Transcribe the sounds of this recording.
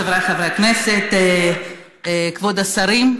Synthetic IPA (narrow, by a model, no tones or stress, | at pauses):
avɾeχavɾeakneset̪ | kvod̪asaɾim